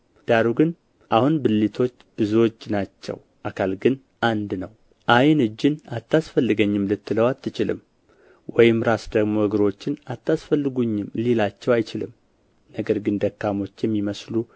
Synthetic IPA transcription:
d̪̥aɾuɡɨn | ʔahunbɨlːit̪ʰo̞t͡ʃːb̥ɨzuwo̞t͡ʃːnat͡ʃːɛ̰w | ʔakʰalɡɨn | ʔand̪nəw | ʔajnɨd͡ʒːɪnat̪ːasfəlːɨɡəɲːɪmlɨt̪ːɨləwat̪ʰːɨt͡ʃɪlɨ̰m | wɔjɪmɾasd̪əɡmo̞əɡɨɾo̞t͡ʃːɪnat̪ːasfəlːɨɡuɲːɪmːlelat͡ʃːɛwajt͡ʃɪlɨm | nəɡəɾɡɨnd̪əkːamo̞t͡ʃːjɛmːiməslu

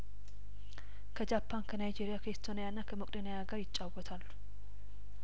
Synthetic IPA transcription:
kʰəd͡ʒapʰːankʰənajd͡ʒeɾijakʰəist̪ʰo̞nijanːakʰəmokʼd̪enejaɡəɾjɪt͡ʃʼːawɔt̪ʰalːu̥

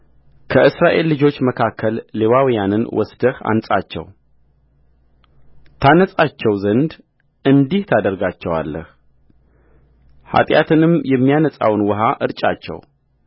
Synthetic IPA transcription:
kʰəʔɨsɾaʔe̞lːɨd͡ʒo̞t͡ʃːməkʰakʰːəlːewawijanɨnwɔ̰sd̪əha̰nsʼat͡ʃːɛ̰w | t̪ʰanəsʼat͡ʃːɛwzənd̪ | ʔɨnd̪iht̪ʰad̪əɾɡat͡ʃːɛwa̰lːə̰h | ha̰t̪ʼjat̪ʰɨnɨmjɛmːijanəsʼa̰wnwɔɦaʔɨɾt͡ʃʼat͡ʃːɛ̰w

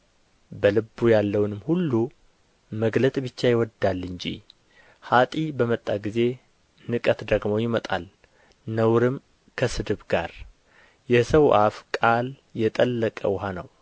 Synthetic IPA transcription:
bəlɨbːujalːəwnɨmhulːu | məɡlət̪ʼbɨt͡ʃːajɪwɔd̪alːɨɲd͡ʒḭ | hat̪ʼibəmət̪ʼːaɡize̞ | nɨkʼət̪d̪əɡmo̞jɪmət̪ʼa̰l | nəwɾɨm | kʰəsɨd̪ɨβɡa̰ɾ | jɛsəwʔafkʼal | jɛt̪ʼəlːəkʼə̰wʊɦanəw

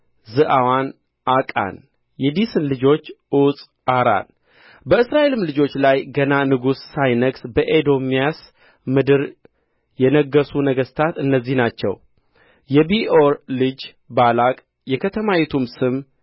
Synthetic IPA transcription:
zɨʔawan | ʔakʼa̰n | jɛd̪isɨnlɨd͡ʒo̞t͡ʃːʔusʼ | aɾa̰l | bəɨsɾaʔe̞lɨmlɨd͡ʒo̞t͡ʃːlajɡənanɨɡusːajnəɡsbəʔed̪o̞mijas | mɨd̪ɨɾ | jɛnəɡːəsunəɡəst̪ʰat̪ɨnːəzːihnat͡ʃːɛ̰w | jɛbioɾlɨd͡ʒ | balakʼ | jɛkʰət̪ʰəmawɛt̪ʰumsɨm

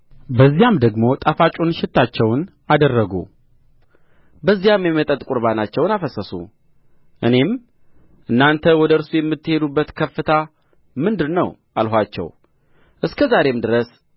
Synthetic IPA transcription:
bəzːijamd̪əɡmo̞t̪ʼafat͡ʃʼonʃɪt̪ʰːat͡ʃːɛwn | ad̪ərːəɡṵ | bəzːijamjɛmət̪ʼət̪ʼkʼuɾβanat͡ʃːɛwnafəsəsṵ | ʔɨne̞m | ʔɨnːant̪ʰəwɔd̪əɨɾsujɛmːɨt̪ːɨhe̞d̪ubːət̪kʰəfːɨt̪ʰa | mɨnd̪ɨɾnəwʔalɦʷat͡ʃːɛ̰w | ʔɨskʰəzaɾe̞md̪ɨɾəs

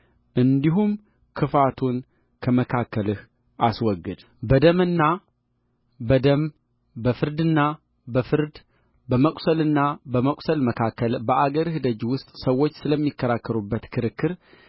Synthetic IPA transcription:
ʔɨnd̪iɦum | kʰɨfat̪ʰun | kʰəməkʰakːəlɨh | ʔaswɔɡːɨd̪ | bəd̪əmɨnːa | bəd̪əm | bəfɨɾd̪ɨnːa | bəfɨɾd̪ | bəməkʼsəlɨnːabəməkʼsəlməkʰakːəlbəʔaɡəɾɨhd̪əd͡ʒiwʊst̪ʼsəwːo̞t͡ʃːsɨləmːikʰːəɾakːəɾubːət̪kʰɨɾɨkʰːɨɾ

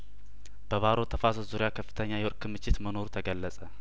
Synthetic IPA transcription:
b̥əβaɾo̞t̪ʰəfazozuɾijakʰəfːɨ̥t̪ʰəɲːajɛoɾkːɨmɨt͡ʃːɪt̪məno̞ɾut̪ʰəɡəlːəsʼə

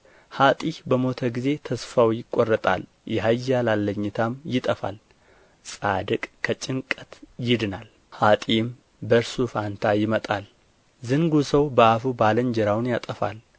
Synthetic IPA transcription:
hat̪ʼihbəmo̞t̪ʰəɡize̞t̪ʰəsfawjɪkʼːorːət̪ʼa̰l | jɛɦajːalalːəɲːɪt̪ʰamjɪt̪ʼəfa̰l | sʼad̪ɨkʼkʰːət͡ʃʼɪŋkʼət̪jɪd̪ɨnal | hat̪ʼim | bəɾsufant̪ʰajɪmət̪ʼal | zɨŋɡusəwbəafubaləɲd͡ʒɛɾawnjat̪ʼəfa̰l

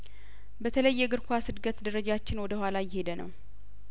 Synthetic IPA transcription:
bət̪ʰələjːɛɡɨɾkʷasɨd̪ɡət̪d̪əɾəd͡ʒat͡ʃːɪnwɔd̪əhʷalajɪhe̞d̪ənə̰w

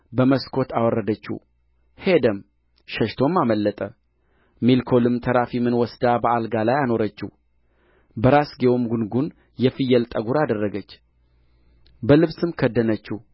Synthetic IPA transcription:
bəməskʰo̞t̪ʰawɔrːəd̪ət͡ʃːṵ | hed̪əm | ʃəʃt̪ʰo̞mːaməlːət̪ʼə | milkʰo̞lɨmt̪ʰəɾafimɨnwɔsd̪abəalɡalajano̞ɾət͡ʃːṵ | bəɾasɡewomɡunɡun | jɛfɨjɛlt̪ʼəɡuɾad̪ərːəɡət͡ʃː | bəlɨβsɨmkʰəd̪ːənət͡ʃːu

